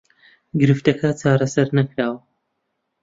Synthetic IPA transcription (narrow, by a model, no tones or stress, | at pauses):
ɡɨɾɨft̪ɐkʰɐt͡ʃaːɾɐsɐɾnɐkɾaːwɐ